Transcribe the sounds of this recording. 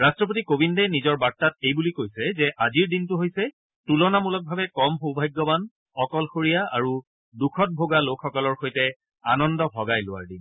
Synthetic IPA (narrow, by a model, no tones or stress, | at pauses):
ɹastɹɔp̬otikobʱindɛnizɔɹbaɹtːat̚ejbulikojsɛzɛʔaziɹdintʊɦojsɛ | tulɔnamulɔt̚bʱabɛkɔmɦobʱajɡːɔban | ɔkɔlxoɹijaa̰ɹu | dukʰɔt̚bʱoɡalokʰːɔkɔlɔɹxojtɛ | anɔndɔbɔɡajlʊwa̰ɹdḭn